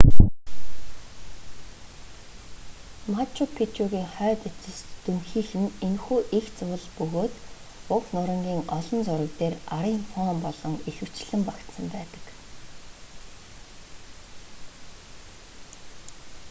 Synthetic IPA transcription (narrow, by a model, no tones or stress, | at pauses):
mat͡ɕʰʊpʰit͡ɕuɣʲiːŋχœːt̪et͡sɪ̆st̪ɵmxiːxɘ̆nenxuːʔixt͡sʊːɮpɵɣoːt̪ | ʊknʊɾə̆ŋɡʲiːŋɔɮɞ̆nt͡sʊɾə̆k̚t̪eːraɾiːŋfɔːmpɔɮɞ̆ŋixɘ̆w̥t͡ɕɮɘ̆mpakt̪sə̆mpæːt̪ə̥̆k